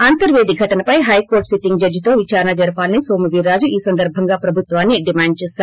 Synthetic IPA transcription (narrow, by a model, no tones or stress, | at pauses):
aːnt̪ɐɾʋeːd̪iɡʱɐʈɐnɐpɐjɦɐjkoːɾʈsiʈːiŋɡd͡ʒɐɾjɐt̪o̞ːʋit͡ʃaːɾɐnɐd͡ʒɐɾpaːlɐnisoːmɐʋiːɾːaːd͡ʒuʔiːsɐnd̪ɐɾbʱɐŋɡaːpɾɐbʱut̪ʋaːnːiɖimaːɳɖ̚t͡ʃɛːsaːɾu